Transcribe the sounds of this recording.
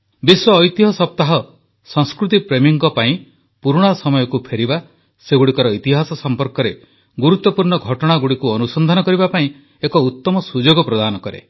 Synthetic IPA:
biswɔːjt̪iɦɔsɔp̚t̪aɦɔ | sɔŋskɾut̪̬ipɾemiŋɡɔpaĩ | puɾuɽ̃asɔmɔjɔkupʰeɾiba | seɡuɽikɔɾɔit̪iɦasɔsɔmpɔɾkɔɾe | ɡuɾut̪ːɔpuɾɳɔɡʱɔʈɔɽ̃aɡuɽikuɔnusɔnd̪ʱɔnɔkɔɾibapaĩ | ekɔut̪ːɔmɔsud͡ʒoɡɔpɾɔd̪anɔkɔɾḛ

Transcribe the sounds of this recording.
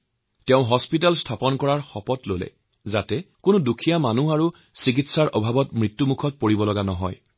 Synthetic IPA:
tɛʊ̃ɦɔspit̬alstʰapɔnkɔɹaɹxɔpɔtlolɛ̰ | zatɛkʊnudukʰijamanuaɹu | sik̬itsaɹʔɔbʱabɔtmɹitːumukʰɔt̚poɹibɔlɔɡanɔɦɔ̰j

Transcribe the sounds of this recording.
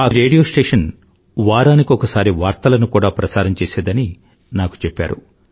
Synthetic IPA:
aːɾeːɽijoːsʈeːʂɐn | ʋaːɾaːnikiɔkɐsaːɾiʋaːɾt̪ɐlɐnukuːɽaːpɾɐsaːɾɐmt͡ʃeːseːd̪ɐni | naːku̥t͡ʃepːa̰ːɾṵ

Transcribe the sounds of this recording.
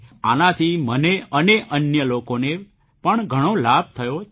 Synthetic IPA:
anat̪ʰiməneəneʔənjəlokone | pəɳɡʱəɽ̃olab̚ʱt̪ʰəjo

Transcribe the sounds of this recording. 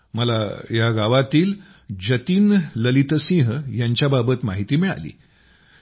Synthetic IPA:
məlajaɡaʋat̪iːl | d͡ʑət̪iːnləlit̪əsĩɦjaɲt͡ɕjababət̪maɦit̪iːmiɭa̰lḭː

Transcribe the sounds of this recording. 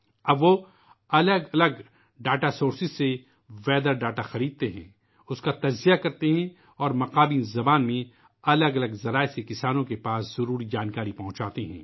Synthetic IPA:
ɐbʋo | ɐləɡɐləɡ | ɖaːʈasoːɾsɪzse | ʋɛːd̪əɾɖaːʈaxɐɾiːd̪̚t̪eɦɛ̰̃ː | ʊskat̪ɐd͡ʒzijakɐɾt̪eɦɛ̃ | ɔːɾmɐqaːbĩːzɐbaːnmẽ | ɐləɡɐləɡzɐɾaːesekɪsaːnõkepaːsz̥ɐɾuːɾid͡ʒaːnkaːɾipɐɦʊ̃t͡ʃaːt̪eɦɛ̰̃ː

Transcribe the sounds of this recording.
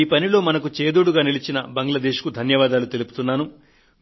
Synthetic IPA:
iːpɐnilo̞ːmɐnɐkut͡ʃeːd̪oːɽuɡaːnilit͡ʃinɐbɐŋɡlɐd̪eːʃkud̪ʱɐnjɐʋaːd̪aːlut̪e̞lupu̥t̪unːaːnu

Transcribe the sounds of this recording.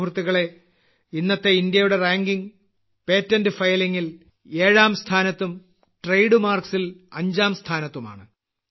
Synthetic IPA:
urt̪ːiɣɐɭe̞ | inːɐt̪ːe̞ind̪jɐjuɽe̞raːŋɡiŋ | pe̞ːtːɐndɨfɐjliŋːil | e̞ːɻaːmst̪ʰaːnɐt̪ːum | ʈrejɽɨmaːrksilɐɲd͡ʑaːmst̪ʰaːnɐt̪ːuma̰ːɳɨ

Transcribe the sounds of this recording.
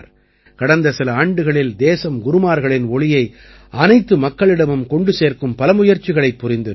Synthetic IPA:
ɾ | kɐɽɐnd̪ɐsɪlɐaːɳɖɯɣɐɭɪld̪eːsɐmɡʊɾɯmaːɾɣɐɭɪnɔɭɪjɐɪ | ʔɐnɐɪt̪ːɯmɐkːɐɭɪɽɐmɯmkɔɳɖɯseːɾkɯmpɐlɐmʊjɐɾt͡ʃɪɣɐɭɐɪpːʊɾɪnd̪ɯ

